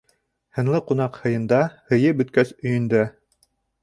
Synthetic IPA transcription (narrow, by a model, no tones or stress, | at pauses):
hɤ̆nlˠɤqunɑqhɤ̆jɤ̆nd̪ɑhɤ̆jɤbɵ̆t̪̚kæsɵ̆jɵ̆nd̪æ